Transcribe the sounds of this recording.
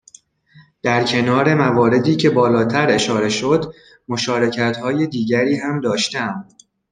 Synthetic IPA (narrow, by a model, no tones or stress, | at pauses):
d̪̥æɾcʰe̞nɒːɾe̞mævɒːɾe̞d̪iːcʰe̞bɒːlɒːt̪ʰæɾe̞ʃɒːɾe̞ʃo̞d̪ | mo̞ʃɒːɾe̞cʰæt̪hɒːje̞d̪iːɟæɾiːɦæmd̪ɒːʃt̪ææm